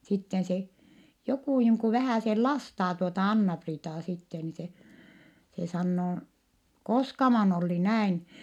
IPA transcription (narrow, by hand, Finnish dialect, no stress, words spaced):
sitːen se jokuˑ niːŋ ku ʋæhæˑsel lɑstɑː tuotɑ ɑnːɑpriːtɑː sitːe ni se se sɑnːoː koskɑmɑn olːi næin